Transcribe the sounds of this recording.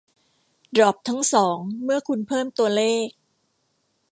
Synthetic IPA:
dɾɔː˨˩p̚t̪ʰa˦˥ŋsɔː˩˦ŋmɯ˥˩ɐkʰu˧npʰɤː˥˩mt̪u˧ɐleː˥˩k̚

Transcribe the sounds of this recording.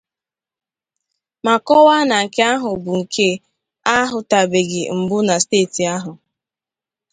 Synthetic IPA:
ma˨kɔ˦wa˦na˨ŋ̩˨ke˦a˦ɦʊ˨bʊ˨ŋ̩˨kʰe˦ | a˦ɦʊ˨ta˨be˨ɡɪ˨m̩˨bʊ˦na˨steː˦˨ti˨a˦ɦʊ˨

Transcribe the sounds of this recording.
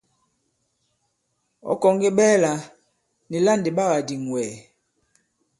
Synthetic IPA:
ɔ̰˨˦kɔ˨ŋɡe˦ɓɛː˦la˨ | ni˨la˦˨ndi˨ɓa˦ɣa˨di˨ŋ˨wɛː˨

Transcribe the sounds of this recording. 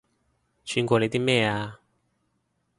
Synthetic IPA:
t͡ɕʰy˨˧nkʷɔː˧le˧jt̪i˥mɛː˥˧˩aː˧

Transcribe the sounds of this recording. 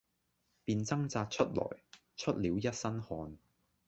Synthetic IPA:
piː˧nt͡sɐ˥ŋt͡saː˧t̚t͡ʃʰɵ˥t̚lɔ̰ː˨˩j | t͡ʃʰɵ˥t̚liː˨˥wjɐ˥t̚sɐ˥nhɔː˧n

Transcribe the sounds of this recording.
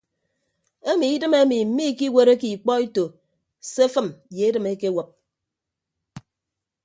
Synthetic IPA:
e˦mi˨i˦dɨ˦me˦mi˨m̩˦mi˦ki˦we˨ɾe˦ki˨k͡pɔ˦i˦to˨ | se˦fɨ˦mje˨˦dɨ˦˨me˦ke˦wə˨p̚

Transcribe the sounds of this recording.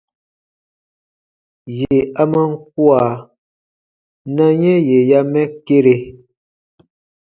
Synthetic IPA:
je˨a˦mə˦ŋ̩˦k̚wa˨ | na˦ɲɛ˦je˨ja˦mɛ˦ke˦ɾe˨

